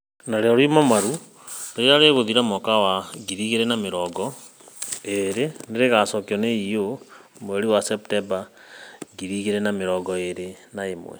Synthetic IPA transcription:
naɾeɔɾimamaɾu | eɾeaɾeɣoðiɾamɔkawaɡiɾiɣeɾɛnameɾɔɡɔ | eɾeneɾeɣasɔkeɔneiomoɛɾiwasɛptɛba | ɡiɾiɣeɾɛnameɾɔɡɔeɾenaemwɛ̰

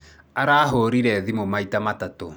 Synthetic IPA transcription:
aɾaːɦoɾiɾɛðimomaitamatato

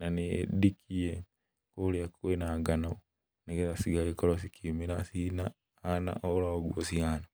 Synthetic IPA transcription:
nanḭdikʰije | koljakwenaːɡanao | neɡezasiɡalekolos̬ikʰimiɾasina | ana̰ʔolaoɡwosjaːna

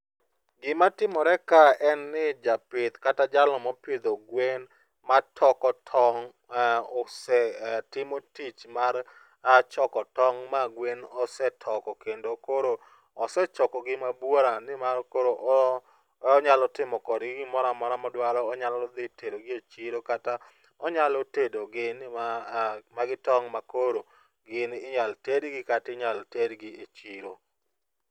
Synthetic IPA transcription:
ɡɪmatɪmɔɾɛkaɛnːɪd͡ʒapɪt̪katad͡ʒalɔmɔpɪd̪oɡwen | matʰɔkɔtʰɔŋ | osɛtɪmotit͡ʃmar | at͡ʃɔkɔtɔŋmaɡwenɔsɛtʰɔkɔkendokoɾo | ɔsɛt͡ʃɔkɔɡɪmabwoɾanɪmaɾkoɾoʔ | ɔɲalɔtɪmɔkɔdɡɪɡɪmɔɾamɔɾamɔdwalɔːɲalɔd̪ɪtedoɡɪet͡ʃiɾokata | ɔɲalɔtedoɡɪn | maɡɪtɔŋmakoɾo | ɡɪnɪɲaltedɡɪkatɪɲaltedɡɪet͡ʃiɾo

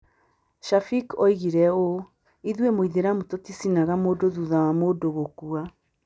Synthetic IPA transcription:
ʃafikɔiɣiɾɛo | iðwemoiðeɾamutotisinaɣamoːdoðuðawamoːdoɣokua

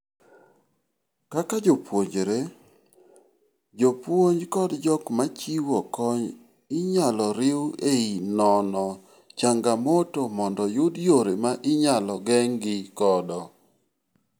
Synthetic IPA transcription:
kakad͡ʒopwoɲd͡ʒɾe | d͡ʒopwoɲd͡ʒkɔdd͡ʒɔkmat͡ʃiwɔkɔɲ | ɪɲalɔɾɪweinɔnɔ | t͡ʃaŋɡamotomɔndɔjʊdjoɾemaʔɪɲalɔɡɛŋɡɪkɔdɔ

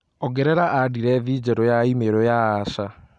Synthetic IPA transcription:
ɔɡɛɾɛɾaʔadiɾɛðiːd͡ʑɛɾɔjaimeɾɔjaːʃa

